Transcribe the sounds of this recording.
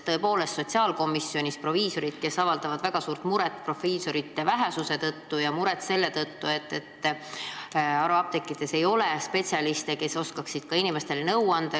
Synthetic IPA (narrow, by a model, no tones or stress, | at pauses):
t̪ːɤ̞ːpo̞ːle̞st̪so̞t̪ʲsiɑːlko̞mːisːjo̞nʲispro̞viːso̞ɾid̪ke̞sɑvɑld̪̥ɑvɑd̪væɡ̥ɑsuːɾt̪muɾɛt̪ːpro̞fiːso̞ɾit̪ːevæɦɛsuse̞t̪ɤt̪ːujɑmuɾet̪se̞lːe̞t̪ɤt̪ːue̞t̪ːe̞t̪ː | ɑɾuɑb̥̚t̪e̞kːˑid̪̥e̞se̞jo̞lespe̞t̪ʲsʲiɑlist̪e̞ke̞so̞skɑksid̪̥kɑinime̞st̪e̞lenɤwɑnd̪̥ɑ